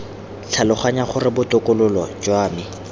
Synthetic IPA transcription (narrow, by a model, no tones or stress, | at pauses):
t͡ɬʰalʊχaɲaχʊrɪbʊtʊkʊlʊlɔd͡ʒɔaːmi